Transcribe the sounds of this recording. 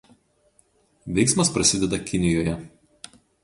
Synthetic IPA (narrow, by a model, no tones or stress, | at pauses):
ʋʲɛɪksmɐspɾɐsʲɪd̪ʲɛd̪ɐkʲɪnʲɪjoːjɛ